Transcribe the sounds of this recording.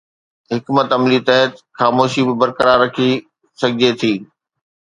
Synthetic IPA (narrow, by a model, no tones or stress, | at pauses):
ɦɪkmət̪ɐmlit̪ɐɦət̪xaːmoːʃibɪbɐɾkəɾaːɾːɐkʰi | sɐɡʱɪd͡ʑet̪ʰiː